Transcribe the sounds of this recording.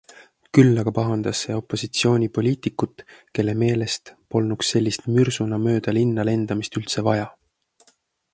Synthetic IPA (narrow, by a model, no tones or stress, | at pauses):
kylːɑɡ̥ɑpɑɦɑnd̪̥ɑsːe̞o̞pːˑo̞sit̪sio̞ːnʲipo̞lʲiːt̪ikːˑut̪ˑke̞lːe̞me̞ːle̞st̪po̞lnukse̞lʲːist̪myrsunɑmø̞ːd̪̥ɑlinːɑle̞nd̪̥ɑmist̪ylt̪se̞vɑjɑ